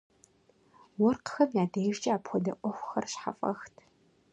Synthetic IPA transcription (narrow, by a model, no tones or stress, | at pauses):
wɔrqə̥xɐmjaːdejʒt͡ʃʼɐaːpxʷɔdɐʔʷʼɔxʷxɐrɕħa̰fʼɐ̰xtʰ